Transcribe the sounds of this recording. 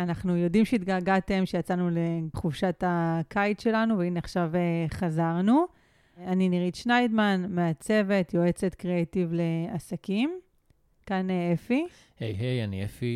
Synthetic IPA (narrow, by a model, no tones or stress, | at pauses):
anaχnujo̞dimʃeit̪ɡaɡate̞mʃejat͡sanule̞χuvʃatakʰajt̪ʃe̞lanuveinaχʃaveχazaʁnu | aniniʁit̪ʃnajd̪manmeat͡se̞ve̞t̪jo̞e̞t͡se̞t̪kʁeejtivle̞asakim | kaneefi | hejɦejanḭḛfi